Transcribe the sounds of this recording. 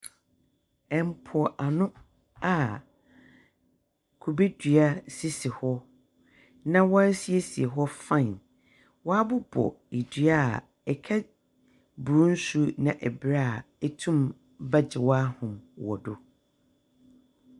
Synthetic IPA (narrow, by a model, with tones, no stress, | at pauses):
ɛ˨m˨pʰʊ˨ɔ˨ʔa˨nʊ̃˦ | a˨ | kʰu˨be˦dɥa˦si˦sɪ˨hɔ˦ | nã˦wɔ˦si˨e˦si˨e˨ɦɔ˦fã˦˨ | wɔ˦a˦bʊ˦bɔ̰˨i˨dɥa˦˨ | ɛ˨kʰɛ˦ | bu˨ɾũ˦n̩˦su˦nã˨ʔɛ˨bɾa˦a˨ | ɛ˨tʰũ˦m | ba˦d͡ʑɪ˨wa˦hʊ̃˨mwɔ̰˨dʊ˨